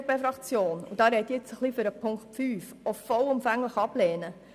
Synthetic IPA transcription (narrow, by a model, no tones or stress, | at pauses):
pɛfɾɑkt͡sjoːnʊ̰d̥ɑːɾɛt̪jɪt͡səχliføɾəpʰʊŋktfyːfɔfɔlʊmfæŋləχɑbleːnə